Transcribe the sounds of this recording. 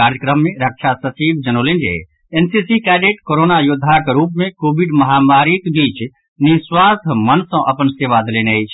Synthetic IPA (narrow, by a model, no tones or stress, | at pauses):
kaːɾjəkɾəmːẽɾəkʃʰasət͡ʃiːbd͡ʒənoːlẽnd͡ʒḛ | ensisikɛːɖeːʈkoɾonajʊd̪ʱːakeɾuːpmẽkoːbiɖmɐɦamaːɾikbiːt͡ʃ | niswasmənsə̃ʔɐpənseːʋad̪leːneəjt͡ʃʰ